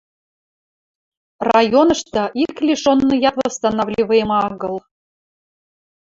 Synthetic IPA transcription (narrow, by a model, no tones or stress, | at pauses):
rɑjonɤ̆ʃt̪ɑʔiklʲiʃonːɤjɑt̪vɤst̪ɑnɑvlʲivɤjmɑɑɣɤ̆lˠ